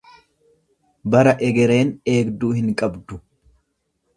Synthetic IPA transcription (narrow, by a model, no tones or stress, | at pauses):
bɐɾɐʔɛɡɛɾe̞ːne̞ːɡd̪uːhɪŋkʼɐbd̪ʊ